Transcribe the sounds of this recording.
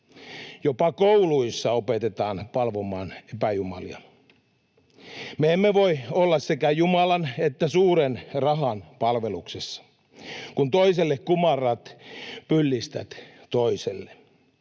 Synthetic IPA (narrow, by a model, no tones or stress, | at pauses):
jopɑkouluisːɑopet̪et̪ɑːnpɑlʋomɑːnepæjumɑ̰liɑ̰ | meemːeʋoiolːɑssekæjumɑlɑnet̪ːæsuːɾenrɑɦɑnpɑlʋeluksesːɑ̥ | kunt̪oiselːekkumɑrːˑɑt̪pylːist̪æ̰t̪t̪oiselːe